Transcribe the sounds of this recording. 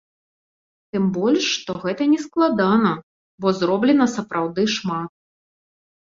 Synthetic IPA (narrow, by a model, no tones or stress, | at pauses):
t̪ɨmbɔlʲʂːt̪ɔɣɛt̪ɐnʲɛsklˠad̪anɐ | bɔzɾɔblʲɛn̪ɐsɐpɾʔawd̪ɨʂmat̪̚